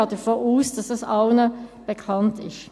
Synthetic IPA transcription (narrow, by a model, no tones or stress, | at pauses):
ɑtəfoːuːsd̥ɑsɑsɑʊnəb̥əkʰɑntɪʃ